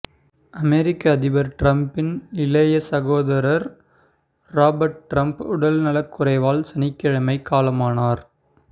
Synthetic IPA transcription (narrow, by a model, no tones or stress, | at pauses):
ɐmɛɾɪkːɐːðɪʋɐɾʈɾɐmpɪnnɪlɐjɐsɐɣoːðɐɾɐɾ | ɾaːbɐɾʈ̚ʈɾɐmpʊɽɐlnɐlɐkːʊɾɐɪʋaːlsɐnɪkːɪɻɐmɐɪkːaːlɐmaːnaːɾ